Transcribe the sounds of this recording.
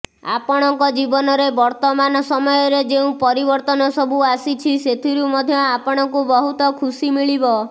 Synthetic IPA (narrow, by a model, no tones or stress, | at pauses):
a̰pɔɽ̃ɔŋkɔd͡ʒibɔnɔɾebɔɾt̪ɔmanɔsɔmɔjɔɾed͡ʒeũpɔɾibɔɾt̪ɔnɔsɔbuasit͡ʃʰiset̪ʰiɾumɔd̪ʱjɔapɔɽ̃ɔŋkubɔɦut̪ɔkʰusimiɭibɔ